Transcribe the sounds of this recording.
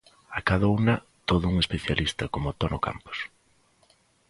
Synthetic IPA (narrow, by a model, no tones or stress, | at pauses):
akaðɐunɐ | t̪oðʊuŋespeθjalʔist̪ɐkomʊt̪onoka̰mpʊ̥s